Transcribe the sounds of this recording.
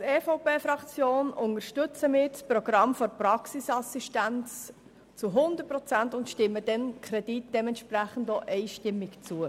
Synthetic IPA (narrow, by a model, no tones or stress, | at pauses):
ɛfoʊpeːfɾɑkt͡sjoːnʊnəɾʃtʏt͡səmɪːɾsproɡ̥ɾɑmfɔɾpɾɑksisɑsiʃtænt͡s | t͡suɦʊnd̪ət̚pɾɔt͡sæntʊntʃtɪmːəd̥ɛnkʰɾɛd̥it̚d̥ɛmɛntʃpræχən̩doʔɛɪʃtɪmːɪkt͡suə